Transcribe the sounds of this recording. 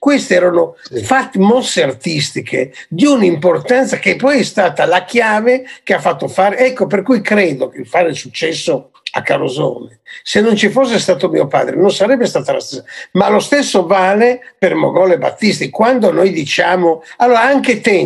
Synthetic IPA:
kwest̪eɛːɾonofat̪ːmɔsːeart̪ist̪ikʰḛd̪iunimport̪ant̪sakepːɔjɛst̪aːt̪alakjaːvekeafat̪ːofaːɾeɛkːoperkujkɾɛːd̪okefaɾelsut͡ʃːɛsːo | a̰kːaɾozɔ̰ːnesenːont͡ʃifosːest̪aːt̪omḭːopa̰ːd̪ɾḛnonsaɾɛbːest̪aːt̪alast̪e̥sːamalost̪ɛsːovaːlepermo̰ɡɔleba̰t̪ːist̪ikwand̪onojd̪it͡ʃaːmoalːoːɾaaŋket̪ɛ

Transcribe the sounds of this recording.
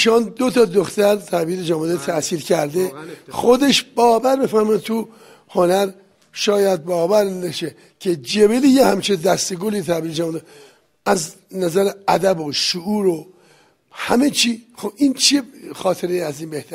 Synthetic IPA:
ʃɒːnd̪ot̪ʰɒːd̪oxt̪æɾt̪ʰæbiːled͡ʒæmud̪et̪ʰæsiːɾkʰæɾd̪exo̞d̪e̞ʃbɒːvæɾbefæɾmɔjd̪t̪ʰu | honæɾ | ʃɒːjæd̪̚bɒːvæɾneʃe | cʰed͡ʒebelijehæmt͡ʃʰed̪æst̪eɡolit̪ʰæbiːled͡ʒæːmud̪e | æz | næzæɾeæd̪æboʃuʔuːɾo | hæmet͡ʃʰiːxobʔint͡ʃʰexɒːt̪ʰeɾejiæziːnbeht̪ʰæɾ

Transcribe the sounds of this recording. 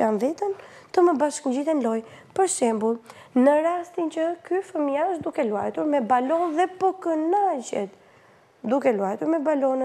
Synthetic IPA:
anðit̪ən | t̪əməbaʃkɲd͡ʑiθɛnlɔjpəɾʃɛmbulˠ | nəɾast̪int͡ɕəkyfəmiaʃd̪ukɛlua̰jt̪uɾmɛbalɔnðɛpɔkənad͡ʑɛ̰t̪ | d̪ukɛluajt̪uɾmɛbalɔn

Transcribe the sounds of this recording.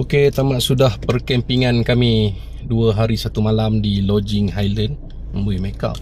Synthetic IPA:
oket̪amaʔsudahpərkɛmpiŋankami | duəɦaɾisat̪umalamdilɔd͡ʒɪŋɦajlən | məmbuimeka̰p̚

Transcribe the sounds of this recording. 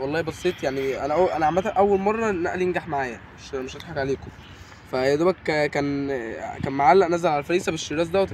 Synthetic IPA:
wɑlˤːɑːhbɑsˤiːt̪ˤjaʕniʔæ̰næʔæwʔænæʕamælt̪æʔæwːælmɑrˤːɑnæʔlijenɡaħmaʕaːjæmeʃmeʃʔet̪ħakʕaleːko | fæd̪æbækkæːnkæːnmaʕalːæʔnæzælʕalælfæɾiːsæbeʃːiɾæːs̬d̪æwet̪

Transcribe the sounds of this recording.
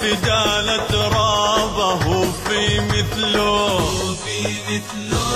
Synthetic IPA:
fɪd̪aːlat̪ɾˤɑːbaɦufiːmɪθl

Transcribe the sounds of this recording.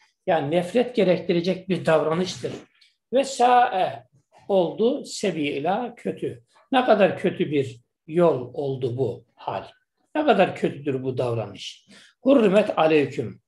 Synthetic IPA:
jaːninɛfɾɛt̪ɟɛɾɛct̪ʰiɾed͡ʒɛc̚biɾd̪avɾanɯʃt̪ʰɯɾ | vɛsaːʔɛ | o̞lˠd̪usebijilʲaːcʰøt̪ʰy | nɛkʰad̪aɾcʰø̞t̪ʰybiɾ | jolˠo̞lˠd̪ubu | ha̰lʲ | nɛkʰad̪aɾcʰøt̪ʰyd̪yɾbud̪avɾa̰nɯʃ | huɾːimɛt̪ʰalʲecʰym

